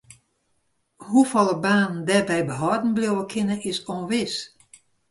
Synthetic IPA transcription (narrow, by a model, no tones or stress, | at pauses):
hufɔlˠəbaːndɛrbɛjbəɦɔdn̩bljowəkʰɪnəʔɪsonʋɪs